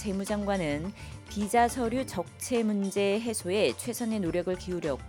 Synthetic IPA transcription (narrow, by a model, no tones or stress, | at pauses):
t͡ɕe̞mud͡ʑaŋɡwanɯnpid͡ʑasʰʌɾjut͡ɕʌk̚t͡ɕʰe̞mund͡ʑe̞ɦe̞sʰoe̞t͡ɕʰwe̞sʰʌne̞noɾjʌɡɯɭkiuɾjʌk͈̚